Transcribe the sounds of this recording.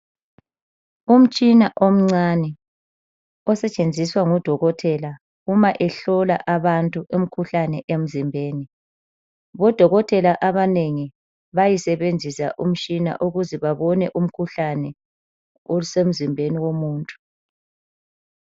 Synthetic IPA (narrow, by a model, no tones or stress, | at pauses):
um̩t͡ʃʼinaʔom̩ŋ͡ǀanɛ | ɔsɛt͡ʃʼend͡zʱiswaŋɔd̥ʱɔɣɔtʰɛla | ɣumaʔɛɬɔla̰ʔaβantʼuʔem̩kʰuɬanɛʔem̩zimbʱeːni | βɔd̥ʱɔɣɔtʰʼɛlaʔaβaneŋi | βajisɛβend͡zʱisaʔum̩t͡ʃʼina̰ʔuɣuzɛβaβɔnɛʔum̩kʰuɬanɛ | osem̩zimbʱeniwomuːntʼu̥